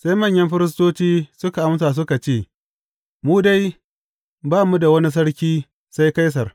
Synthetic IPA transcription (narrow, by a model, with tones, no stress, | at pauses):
sa˦jmɐ˦˨ɲjɐ˦mɸɪ˦ɾɪ˦s̬toː˦t͡ʃiː˦sʊ˦ka˨ʔa˦ms̬aː˨s̬ʊ˦ka˨t͡ʃeː˦˨ | muː˦da˦j | baː˦mu˦da˨wɐ˦ni˦s̬ɐ˦ɽkʲiː˦ | sa˦jka˦js̬ɐ˨r